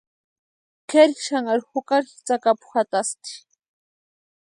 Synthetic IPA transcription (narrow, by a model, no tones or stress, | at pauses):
keɾxʃaŋaɾxʊkaɾxt͡sakapʊ̥xat̪ast̪i̥